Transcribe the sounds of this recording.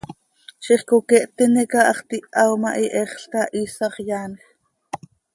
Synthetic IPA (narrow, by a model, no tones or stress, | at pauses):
ʃiχkokɛʔt̪inekɑʔɑχt̪iʔɑwmɑʔiʔɛχɬkɑʔiːsɑχjaːnx